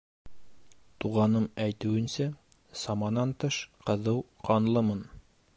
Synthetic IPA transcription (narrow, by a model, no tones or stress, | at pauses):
t̪uʁɑnɤmæjt̪ɘ̆wɘ̆nsæ | sɑmɑnɑnt̪ɤʃqɤ̆ðɤwqɑnlˠɤmɤn